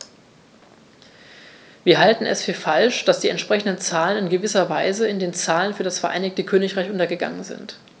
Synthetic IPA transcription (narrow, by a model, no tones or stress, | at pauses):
v̥iːɐɦaltn̩ɛ̰sfyːɐfalʃd̥asd̥iːɛntʃpʁ̥ɛçn̩dənt͡saːlənɪnɡəvɪsɐvaɪzəɪndeːnt͡saːlənfyːɐdasfɛɐʔa̰ɪnɪçtəkʰøːnɪçʁ̥aɪçʔʊntɐɡəɡa̰ŋənzɪ̰nt